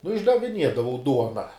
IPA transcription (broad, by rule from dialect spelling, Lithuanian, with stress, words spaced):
nʊ ɪʒdɐʋʲɪˈnʲiɛdɐʋɐʊ ˈduɔnɐ